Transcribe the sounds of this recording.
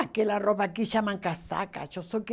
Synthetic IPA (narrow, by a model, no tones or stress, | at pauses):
kelaropakiʃamãŋkasa̰ka̰t͡ʃosok